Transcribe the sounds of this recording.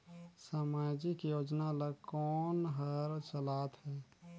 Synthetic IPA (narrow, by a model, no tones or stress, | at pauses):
samaːd͡ʒikijoːd͡ʒnaləkɔːnɦəɾt͡ʃəlaːt̪ɦɛː